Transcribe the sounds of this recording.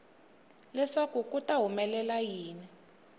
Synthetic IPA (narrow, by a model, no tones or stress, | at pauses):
lɛʂakuk̬ʼutaɦumɛlɛlajiːni